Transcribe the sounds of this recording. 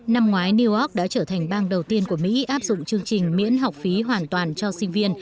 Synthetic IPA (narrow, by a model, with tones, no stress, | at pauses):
na˧mŋwaː˨˦jni˧ʔɔ˦˥k̚ɗa̰ː˧˥t͡ɕəː˧˩t̪ʰa˨˩jŋ̟ɓaː˧nɗə˨˩wt̪i˧ənku˧˩əmḭ˧˥ʔaː˦˥p̚zʊ̰˧˨ŋ͡mt͡ɕɨ˧əŋt͡ɕï˨˩ŋ̟mḭ˧˥ənɦa˨˩wk͡p̚fi˨˦ɦwaː˨˩nt̪waː˨˩nt͡ɕɔ˧sï˧ŋ̟vi˧ən